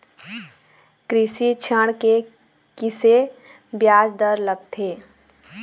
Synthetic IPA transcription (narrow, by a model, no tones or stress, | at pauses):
kɾisit͡ʃʰəɽ̃ke | kise | bjaːd͡ʒd̪əɾləɡt̪ʰe